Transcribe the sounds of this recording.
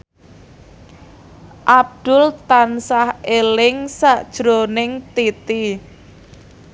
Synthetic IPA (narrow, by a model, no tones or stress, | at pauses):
ʔab̚d̪̥ʊlt̪ansahelɪŋsaʔd̥ʒ̥ɾonɪŋt̪it̪i